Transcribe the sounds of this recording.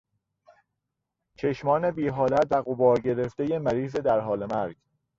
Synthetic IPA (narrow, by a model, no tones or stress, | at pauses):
t͡ʃʰe̞ʃmɒːne̞biːɦɒːlæt̪væɣobɒːɾɟe̞ɾeft̪e̞jemæɾiːzed̪æɾɦɒːle̞mæɾɟ̥